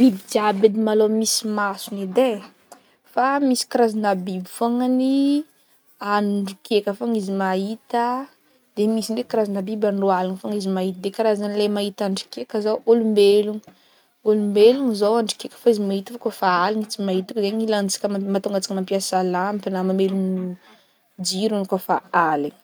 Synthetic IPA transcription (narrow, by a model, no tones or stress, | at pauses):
b̥ibid̪iabed̪imalomisimasunid̪e | famisi̥kaɾazanabibifoŋani | anuɳɖ͡ʐukʰekʲəfaŋizimait̪ə | d̪̥emisinɖ͡ʐekaɾazinabibanroalanfoŋizimaɦit̪əd̪ekaɾazanlemait̪aɳɖ͡ʐi̥kekəzawʔolumbeluŋi | olumbeluŋizowaɳɖ͡ʐi̥kekʲə̥faizimait̪əfokofaaliɲit͡simait̪ukzeɲilant͡si̥kʲəmat̪oŋɡat͡si̥kəmampiasalampnamamelun | d͡ʒiɾunkofaaliɲ